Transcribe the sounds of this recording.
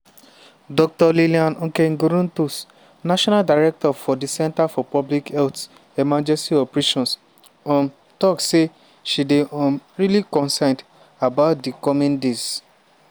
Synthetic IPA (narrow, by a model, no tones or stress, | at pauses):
dɔk̚tɔliliãnɔ̃keŋɡoɾũntus | naʃɔ̃naldaɹɛk̚tɔfɔdisɛ̃ntafɔpɔblikɛlt | ɛmãnd͡ʒɛstiɔpɹeʃɔ̃ns | ɔ̃m | tɔkse | ʃideʔɔ̃mɹilikɔ̃nsãnd | abaʊt̚dikɔmĩndes